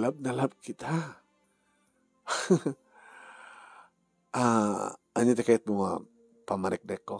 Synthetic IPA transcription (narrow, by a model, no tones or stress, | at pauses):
lab̚nalab̚kit̪ʰa | a | aɲat̪ɛkat̪̚muwa | pamaɾɛk̚dɛko